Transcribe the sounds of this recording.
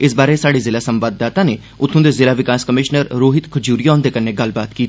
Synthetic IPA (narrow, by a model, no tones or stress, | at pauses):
ɪsbaːɾesaːɽizɪlaːsə̃mʋaːd̪ːaːt̪ãːneː | ʊt̪ʰːõːd̪eːzɪlaːʋɪkaːskəmɪːʃnəɾɾoːɦɪt̪kʰʊd͡ʒuːɾijãːnd̪eːkənːeːɡəlbaːt̪kiːt̪ː